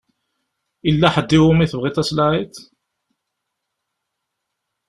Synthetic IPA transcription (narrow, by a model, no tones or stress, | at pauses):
ilːæħəd̪ːiwʊmiθəvʁit̪æslaʕit̪